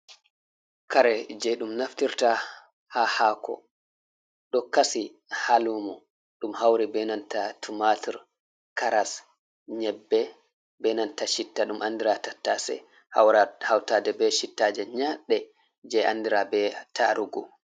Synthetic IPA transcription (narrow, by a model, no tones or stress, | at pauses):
kaɾɛd͡ʒɛɗumnaftiɾta | hahaːkʰɔ̰ | ɗɔkasi | halumɔ | ɗumhawɾibɛnantatʰumatʰiɾ | kaɾas | ɲɛbːɛ | bɛnantaʃitːaɗumʔandiɾatatːa̰sɛ̰ | ha̰wɾahawtadɛbɛʃitːad͡ʒɛɲaɗːɛ | d͡ʒɛa̰ndiɾabɛtʰaɾuɡɔ